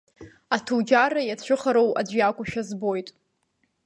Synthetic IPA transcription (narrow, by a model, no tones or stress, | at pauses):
atʰud͡ʒarajat͡ɕʷʰɨχaɾowa̰d͡ʒʷjakʷʼʊʃᶣazbo̞jtʼ